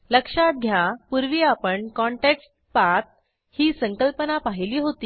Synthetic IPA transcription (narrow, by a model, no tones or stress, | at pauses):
ləkʂat̪̚ɡʱjapuɾʋiːapəɳkɔɳʈeksʈ̚ | pat̪̚ | hiːsəŋkəlpənapaɦiliːɦot̪iː